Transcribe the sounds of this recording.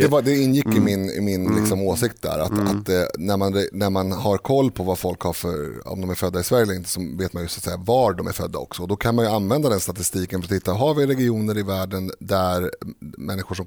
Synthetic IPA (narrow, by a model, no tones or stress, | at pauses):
d̪ɛvad̪ɛɪnːjɪkːɪmɪnɪ̰mɪnlɪ̰ksɔmoːsɪkt̪̚d̪æ̰ɾa̰t̪a̰t̪næɾmanɾɛnæɾmanhaɾkʰɔlːpʰɔvafɔlkhaɾfœ̰ɾɔ̰md̪ɔmæɾfœd̪ːaɪsvæɾjɛləɾɪnt̪ə̥sɔveːt̪manjɵsḁːt̪sɛjːavaɖɔmæ̰ɾfœd̪ːa̰ɔ̰ksɔɔd̪ɔkʰanmanjɵanvɛnd̪ad̪ɛnst̪at̪ɪst̪iːkənfœɾat̪hɪt̪ːaɦavɪɾɛɡɪuːnəɾɪvæːɖənd̪æɾmɛnːɪɧʊʂɔm